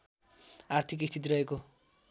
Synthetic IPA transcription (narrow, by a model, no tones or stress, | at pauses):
art̪ʰikist̪ʰit̪̬iɾʌɦeko